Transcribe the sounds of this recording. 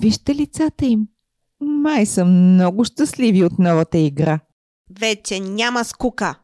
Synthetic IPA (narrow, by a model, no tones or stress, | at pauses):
viʃt̪ɛlit̪sat̪əim | majsəmnɔɡʊʃt̪əsliviot̪nɔvət̪əiɡɾa | vɛt͡ʃɛnʲaməskukə